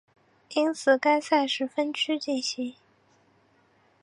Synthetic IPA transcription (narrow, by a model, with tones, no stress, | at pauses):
i˥nt͡sʰɹ̩˨˩ka˥ɪsa˥˩ɪʂɻ̩˧˥fə˥nt͡ɕʰy˥t͡ɕi˥˩ɕi˧˥